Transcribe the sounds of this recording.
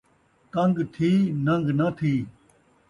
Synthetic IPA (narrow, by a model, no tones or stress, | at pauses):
t̪ɐ̃ŋɡt̪ʰiːnɐ̃ŋɡnɐt̪ʰiː